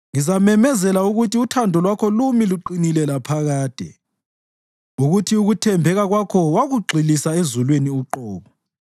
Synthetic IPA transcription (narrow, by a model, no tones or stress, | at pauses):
ŋizamɛmɛzɛlauɣutʰiutʰandʱɔlwakʰɔlumiluǃinilɛlapʰaɣaːd̥ʱɛ̰ | uɣutʰiuɣutʰɛmbʱɛɣaɣwakʰɔwaɣuɡ͡ǀʱilisaezulweniuǃɔːɣɔ